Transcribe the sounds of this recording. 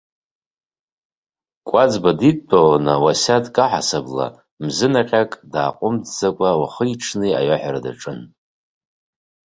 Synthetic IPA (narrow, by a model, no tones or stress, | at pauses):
kʷʼad͡zbadit̚ʼbʼawanawasadkʼaħa̰sabla̰ | mzɨnaqʲʼakʼdaːqʼʊmdd͡zakʷʼawaχəiʈ͡ʂʰnɨa̰jaħᶣaɾada̰ʈ͡ʂʼɨn